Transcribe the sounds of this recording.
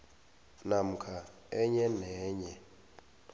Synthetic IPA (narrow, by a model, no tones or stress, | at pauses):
nam̩kʰa | ɛɲɛnɛːɲɛ